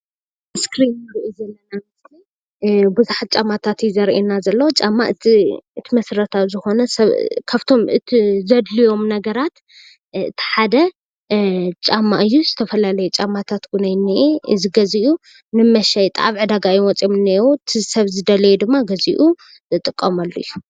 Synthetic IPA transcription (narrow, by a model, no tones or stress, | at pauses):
skɾinːɨɾiʔuzɐlːɐnamɨzi | buzuħat͡ʃʼamat̪ʰat̪izɐɾʔenazɐlːɐwot͡ʃʼamːa̰ʔɨiɨt̪ʰimɐsɾɐt̪ʰawzɨxo̞nɐsɐβkʰaβt̪ʰo̞mɨt̪ʰizɐd̪lijo̞mnɐɡɐɾat̪ | ɨ̰t̪ʰi̥ħad̪ɐ | t͡ʃʼamːaʔɨjːuzɨt̪ʰɐfɐlalɐjɛt͡ʃʼamat̪ʰat̪ɡunajnːiʔeɨzɨɡɐziʔu | nɨmɐʃajt̪ʼaβʕɨd̪aɡajiwɔt͡sʼjomɨnːewut̪ʰisɐβzɨd̪ɐlɐjɛd̪ɨmːaɡɐzḭʔu | zɨt̪ʼɨkʼːɐmalːujːu